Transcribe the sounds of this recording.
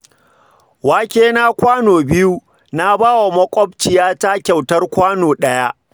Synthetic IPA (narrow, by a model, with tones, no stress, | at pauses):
waː˦kʲeː˦na˦kʷaː˦noː˨bɪ˦ju˦ | na˦baː˦wa˨mɐ˦kʷʼɔ˦b̚t͡ʃɪ˨jaː˦ta˦kʲa˨wtɐ˦rkʷaː˦noː˨ɗɐ˦ja˦ʔ